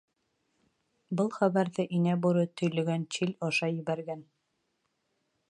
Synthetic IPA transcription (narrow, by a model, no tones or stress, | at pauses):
bɤlˠχæβæɾðɘʔinæbuɾɤt̪ɵ̆jlɵ̆ɡænt͡ɕilʲɒʃɑjɘ̆βæɾɡæn